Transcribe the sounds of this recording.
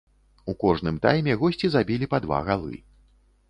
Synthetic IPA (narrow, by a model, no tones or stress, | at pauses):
ukɔʐnɨmt̪a̰jmʲɛɣɔsʲt͡sʲizabʲilʲipad̪va̰ɣalˠɨ̰